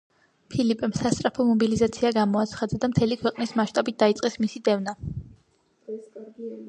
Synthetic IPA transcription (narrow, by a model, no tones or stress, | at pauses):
pʰilipʼɛmsast̪ʼɾapʰɔmɔbilizat̪sʰiaɡamɔat̪sʰχad̪ad̪amt̪ʰɛlikʰwɛqʼnismaʃt̪ʼabit̪̚d̪aitsʼqʼɛsmisid̪ɛvna